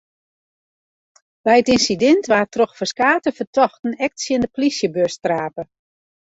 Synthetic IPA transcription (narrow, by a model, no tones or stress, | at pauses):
bɛjətinsidɛntʋaːtroxfəskaːtəfərtʰɔxtn̩ɛk̚tsjəndəplisjəbørstraːpə